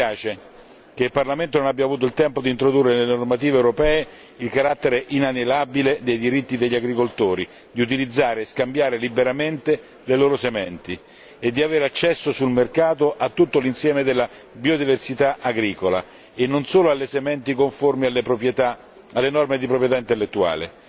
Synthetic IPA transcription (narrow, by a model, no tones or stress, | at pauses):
pjaːt͡ʃe | keilparlament̪ononabjavuːt̪oilt̪ɛmpod̪int̪ɾod̪urːenelnormat̪iːveewɾopɛːe | ilkaɾat̪ːeɾeʔinanelabiled̪ejd̪iɾit̪ːid̪eʎːaɡɾikolt̪oːɾi | d̪iut̪̬ilid̪zːaːɾeːskambjaːɾelibeɾament̪e | leloːɾosemɛnt̪i | ed̪ːiaveːɾeat͡ʃːɛsːosulmerkaːt̪oʔat̪ːut̪ːolinsjɛːmed̪elːa | biod̪iversit̪aʔaɡɾiːkola̰ | enːonsoːloalːesemɛnt̪ikoɱformialːepɾopt̪a | alːenɔrmed̪ipɾopɾjet̪aint̪elːet̪ːua̰ːlḛ